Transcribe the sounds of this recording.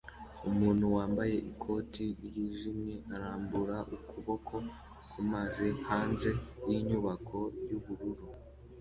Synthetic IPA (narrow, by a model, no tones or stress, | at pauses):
umuːnhuwaːmbaje̞ʔikʰo̞ːtʰiɾjiʒimɲeʔaɾaːmbuɾaʔukʰuβo̞kʰo̞ | kumazihaːnze̞jiɲuβakʰo̞juβuɾuɾu